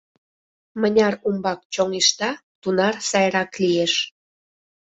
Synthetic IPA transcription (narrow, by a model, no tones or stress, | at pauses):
mənʲɑrumbɑk̚t͡ɕoŋeʃt̪ɑt̪unɑrsɑjɾɑklieʃ